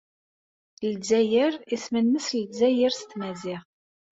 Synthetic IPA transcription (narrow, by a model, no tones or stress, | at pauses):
lzæjəɾismənːəslzæjəɾst̪mæzɪʁ